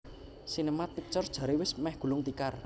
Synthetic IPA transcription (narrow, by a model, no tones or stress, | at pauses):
sinəmat̪̚pit͡ʃɔrd̥ʒ̥a̤ɾewɪsmɛhɡ̥ṳlʊŋt̪ikar